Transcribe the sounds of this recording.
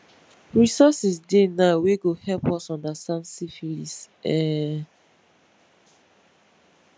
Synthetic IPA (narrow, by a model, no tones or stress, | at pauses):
ɹisɔsisdenaweɡohɛlpɔsɔ̃ndasãnsifilis | ɛ